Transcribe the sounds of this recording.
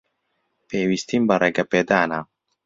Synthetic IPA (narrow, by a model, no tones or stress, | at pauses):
peːwiːst̪imbɐreːɡɐpeːd̪aːnaː